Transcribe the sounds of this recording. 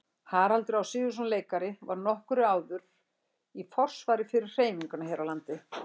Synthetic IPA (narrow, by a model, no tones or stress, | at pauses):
haːɾalt̪ɾɪawsɪːðʏs̬unleːjkaɾɪvaɾnɔhkʏɾʏaːwðʏɾ̥ | ifɔr̥svaːɾɪfɪɾɪr̥r̥eːjmiŋkʏnaɦejɾawlant̪ɪ